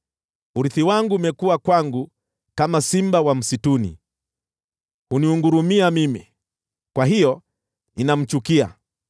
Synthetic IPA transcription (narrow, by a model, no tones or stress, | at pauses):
uɾiθiwaŋɡumɛkuwakwaŋɡu | kamasimbawam̩situnḭ | huniuŋɡuɾumiamimi | kwaɦijɔ | inam̩t͡ʃukia̰